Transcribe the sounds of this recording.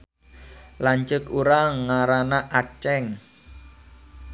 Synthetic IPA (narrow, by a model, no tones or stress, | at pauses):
laɲt͡ʃəkuɾaŋːaɾanaʔat͡ʃɛŋ